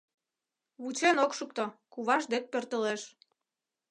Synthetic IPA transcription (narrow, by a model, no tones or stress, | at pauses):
βut͡ɕenokʃuk̚t̪okuβɑʒd̪ek̚pørt̪əleʃ